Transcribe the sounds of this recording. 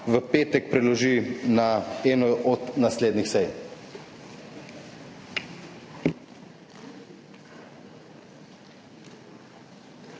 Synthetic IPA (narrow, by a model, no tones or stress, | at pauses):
ʋəpeːt̪ɛkpɾɛlɔʒinaɛːnɔɔd̪nasleːd̪nixsɛj